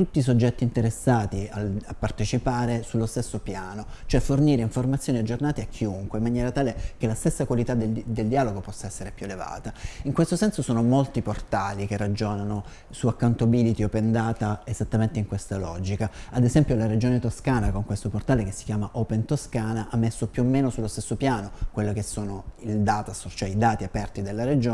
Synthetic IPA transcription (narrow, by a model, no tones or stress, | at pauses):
t̪ut̪ːis̬od͡ʒːɛt̪ːiːnt̪eɾesːaːt̪iaapːart̪et͡ʃipaːɾesulːost̪esːopjaːnot͡ʃoɛfːorniːɾeiɱformat̪sːjoːniad͡ʒːornaːt̪eakʰːiuŋkweimːanjɛːɾat̪aːlekelast̪esːakwalit̪ad̪ed̪eld̪iaːloɡopɔsːaɛsːeɾepjueleva̰ːt̪aiŋkwest̪osɛnsosoːnomolt̪iport̪alikerːad͡ʒoːnano | suakːawnt̪obiːlit̪iopend̪aːt̪aez̥at̪ːament̪eiŋkwest̪alɔd͡ʒikaːd̪ezɛmpjolaɾed͡ʒoːnet̪oskaːnakoŋkwest̪oport̪aːlek̟esːi̥kʲjaːmaʔoːpent̪oskaːnaʔamːesːopjuomːeːnosulːost̪esːopjaːnokwelːokesːoːnoild̪aːt̪asot͡ʃoɛid̪aːt̪iapɛrt̪id̪elːaɾed͡ʒoː